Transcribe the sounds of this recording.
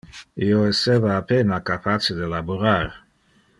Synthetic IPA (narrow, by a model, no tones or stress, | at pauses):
ioɛsevaːpenakapʰat͡ʃed̪elaboɾaɾ